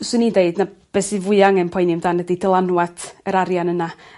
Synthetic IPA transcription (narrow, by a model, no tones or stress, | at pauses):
sʊɨnideɨdnab̥ɛsɨvʊɨaŋɛnpʰɔɨnimdaːnɛdidəlˠanwatʰəɾaɾjanəna